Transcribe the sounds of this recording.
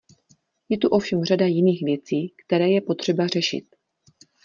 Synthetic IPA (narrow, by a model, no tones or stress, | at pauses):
jɛt̪uʔo̞fʃɛmradajɪniːxvjɛt͡siːkt̪ɛɾɛːjɛpo̞t̪r̝̥ɛbar̝ɛʃɪ̰t̪̚